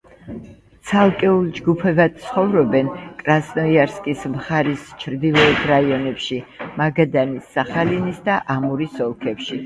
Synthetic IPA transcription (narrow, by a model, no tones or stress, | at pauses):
t̪sʰalˠkʼɛulˠd͡ʒɡupʰɛbad̪̥̚t̪sʰχɔvɾɔbɛnkʼɾasnɔiaɾskʼismχaɾist͡ʃʰɾd̪ilˠɔɛt̪ʰɾaiɔnɛpʃimaɡad̪anisːaχalinisd̪aʔamuɾisɔlˠkʰɛpʃi